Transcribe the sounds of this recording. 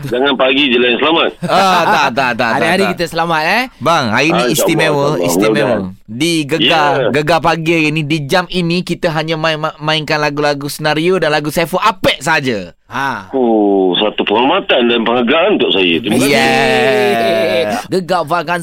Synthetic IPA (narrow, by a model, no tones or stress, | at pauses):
d͡ʒaŋanpaɡid͡ʒəlajaŋsəlamat̪̚at̪at̪at̪aaɾiaɾikit̪əsəlamat̪̚ɛbaŋhainĩisimɛwəḭst̪imɛ̃wədiɡəɡaɡəɡapaɡiainidid͡ʒaminĩkit̪əɦaɲãmamãiŋkanlaɡulaɡusənaɾiodanlaɡusafəʔapɛʔ̚saɦad͡ʒa | ausat̪upəŋalmat̪andanpəŋaɡaanunt̪ʊʔsajə̰t̪ujɛ | ɡəɡavakan